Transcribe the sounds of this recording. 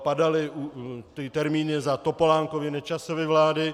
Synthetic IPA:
padalɪʔut̪ɪt̪ɛɾmiːnɪzat̪o̞po̞laːŋkovɪnɛt͡ʃasovɛvlaːdɪ

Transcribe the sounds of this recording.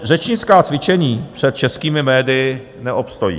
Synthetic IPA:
rɛt͡ʃɲɪt͡skaːt͡svɪt͡ʃɛɲiːpr̝̥ɛt̪̚t͡ʃɛskiːmɪmɛːdɪjɪ | nɛʔopst̪ojḭː

